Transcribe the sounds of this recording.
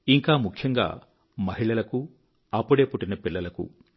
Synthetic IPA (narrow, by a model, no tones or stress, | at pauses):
iŋkaːmukʰjɐŋɡa̰ː | mɐɦiɭɐlɐku | ɐpːuɽe̞ːpuʈːinɐpilːɐlɐkṵ